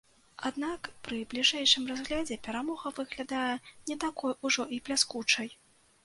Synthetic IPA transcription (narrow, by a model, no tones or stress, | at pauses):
ad̪nakpɾɨblʲiʐɛjʂɨmrazɣlʲad͡zʲɛpʲɛɾamɔɣɐvɨɣlʲad̪ajɛnʲɛt̪akɔjuʐɔʔiplʲaskut͡ʂɐj